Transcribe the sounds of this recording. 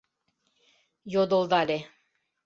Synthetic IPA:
jod̪olˠd̪ɑlʲe

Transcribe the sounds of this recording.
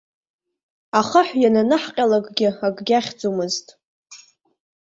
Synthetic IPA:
aχaħʷjananɨħqʲʼalakʼɡʲɪaɡʼɡʲaχʲd͡zumɨztʼ

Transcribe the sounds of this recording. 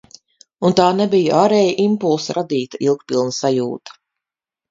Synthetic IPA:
unt̪aːnɛbijuʔaːɾɛjaʔimpulˠsɾʔad̪iːt̪ailˠk̚t̪pilˠnsajuːt̪ɐ̥

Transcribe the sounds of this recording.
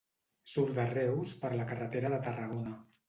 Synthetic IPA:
suɾðərɛwspəɾləkərət̪eɾəðət̪ərəɣ̞onə

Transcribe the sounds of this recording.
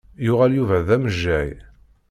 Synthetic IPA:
jʊʁæljuvæðæməʒːæj

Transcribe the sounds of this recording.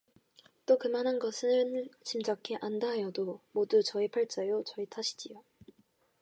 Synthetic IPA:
t͈okɯmanɦanɡʌsʰɯnt͡ɕimd͡ʑʌkʰeʔandaɦjʌdomodut͡ɕʌipʰaɭt͡ɕ͈ʌjot͡ɕʌitʰaɕʰi̥d͡ʑijo

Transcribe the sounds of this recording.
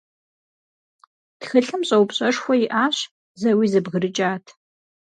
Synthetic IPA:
txɨɬɨmɕʼɐwpɕʼɐʂxʷɔjɪʔaːɕ | zɐwiːzɨbɣəɾɨt͡ʃʼaːtʰ

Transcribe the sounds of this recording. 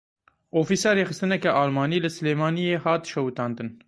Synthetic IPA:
ʔoːfiːsɑːɾeːxɨst̪ɨnɛkɛʔɑːlmɑːniːlɨsɨleːmɑːnijeːhɑːt̪ʃɛwt̪ɑːnd̪ɨn

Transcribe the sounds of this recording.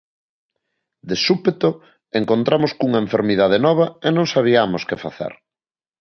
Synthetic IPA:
d̪esupet̪o | eŋkont̪ɾʔamoskuŋɐeɱfeɾmiðað̞enɔβ̞ɐenõŋsaβ̞iamoskɪfa̰θḛɾ

